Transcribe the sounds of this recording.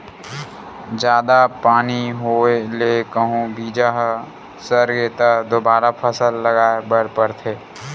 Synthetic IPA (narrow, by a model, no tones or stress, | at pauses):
d͡ʒjaːd̪apaːniɦoːelekəɦũbiːd͡ʒaɦ | səɾɡeːt̪ad̪oːbaːɾapʰəsəlːəɡaːebəɾpəɾt̪ʰeː